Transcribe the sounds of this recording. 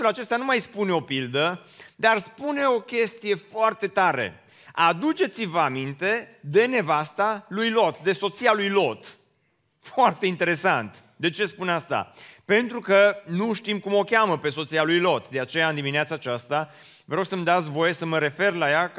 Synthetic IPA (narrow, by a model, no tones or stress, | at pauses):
ulat͡ʃe̞st̪anumajspuneo̞pild̪ə | d̪arspune̞o̞kʲe̞st̪ije̞foart̪e̞t̪aɾe̞̰ | ad̪ut͡ʃe̞t̪sivəamint̪e̞d̪e̞ne̞vast̪alujlo̞t̪d̪e̞so̞t̪sialujlo̞t̪ | foart̪e̞int̪e̞ɾe̞sant̪ | d̪e̞t͡ʃe̞spuneast̪a̰pe̞nt̪ɾukənuʃt̪imkumo̞kʲaməpe̞so̞t̪sijalujlo̞t̪d̪e̞at͡ʃe̞jaɨnd̪iminiat̪saːt͡ʃast̪a | vəɾo̞ɡsəmd̪at̪sʲvo̞je̞səməɾe̞fe̞rlaja